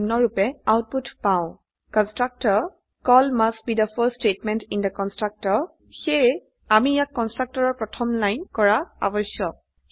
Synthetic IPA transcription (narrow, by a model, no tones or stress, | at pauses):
nɔɹupɛawt̚putpãʊ̃ | kɔnstɹak̚tɔɹ | kɔlmast̚bidəfəstetmɛ̃ntindəkɔnstɹak̚tɔɹ | xej | amijakːɔnstɹak̚tɔɹɔɹpɹɔtʰɔmlajnkɔɹaa̰bɔjsɔk̚